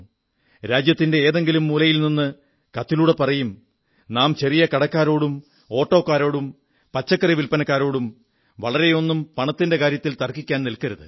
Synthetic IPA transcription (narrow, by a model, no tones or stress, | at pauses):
ɾaːd͡ʑjɐt̪ːinde̞eːðe̞ŋɡilumːuːlɐjilninːɨ | kɐt̪ːiluːɽe̞pɐrɐjum | naːmt͡ɕerijɐkɐɽɐkːaːɾo̞ːɽum | o̞ːʈːo̞ːkːaːɾo̞ːɽum | pɐt͡ɕːɐkːɐriʋilpɐnɐkːaːɾo̞ːɽum | ʋɐɭɐɾe̞jo̞nːumpɐɳɐt̪ːinde̞kaːɾjɐt̪ːilt̪ɐrkikʲːaːnnilkɐɾɐðɨ̰